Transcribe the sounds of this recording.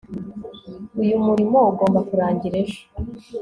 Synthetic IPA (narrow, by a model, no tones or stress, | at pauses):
ujumuɾimo̞uɡo̞ːmbakuɾaːɲɟiɾeʒḁ